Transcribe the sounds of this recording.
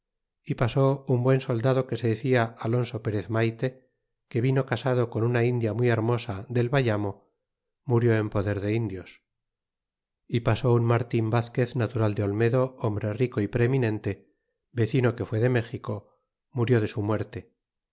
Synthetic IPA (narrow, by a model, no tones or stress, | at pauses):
ipaso̞umbwe̞nso̞ld̪að̞o̞ke̞se̞ðeθiaalo̞nso̞pe̞ɾe̞θmajt̪e̞ | ke̞βino̞kasað̞oko̞nunaind̪jamwieɾmo̞saðe̞lβaʎamo̞ | muɾjo̞e̞mpo̞ðe̞ɾðe̞ind̪jo̞s | ipaso̞unmaɾt̪imbaθke̞θnat̪uɾald̪eo̞lme̞ðo̞ombɾe̞riko̞ipɾe̞minẽ̞nt̪e̞ | be̞θino̞ke̞fwe̞ð̞e̞me̞xiko̞ | muɾjo̞ð̞e̞sumwe̞ɾt̪e̞